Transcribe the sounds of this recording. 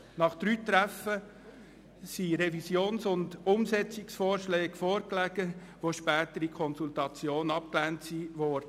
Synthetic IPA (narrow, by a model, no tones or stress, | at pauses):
nɑχd̪̥ɾyːt̪ɾæfə | siɾɛvisjoːnsʊndʊmsɛt͡sɪksfɔːrʃlɛːɡ̥fɔːɾklæɡ̥ə | ʋoʃpæːtəɾikʰɔnsultɑt͡sjoːnɑp̚klæntsiʋɔɾdə